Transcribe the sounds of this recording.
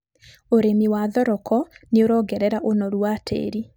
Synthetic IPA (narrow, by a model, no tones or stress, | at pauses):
oɾemiwaðɔɾɔkɔneoɾɔːɡɛɾɛɾaʔonɔɾwatʰḛːɾi